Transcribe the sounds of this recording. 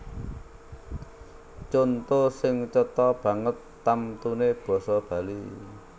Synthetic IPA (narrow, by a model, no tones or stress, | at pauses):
t͡ʃont̪osɪŋt͡ʃɔt̪ɔb̥ä̤ŋət̪ːamt̪uneb̥ɔ̤sɔb̥ä̤lḭ